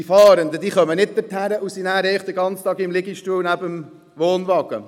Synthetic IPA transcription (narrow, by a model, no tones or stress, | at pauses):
ifɑːɾəndəd̥iːχœmənɪt̚d̥̪ɛthæɾəʔʊsinæːɾɛɪχd̥̪əɡɑnt͡st̪ɑːɡɪmlɪɡiʃtuːlnæbəm | ʋoːnʋɑɡ̥ə̰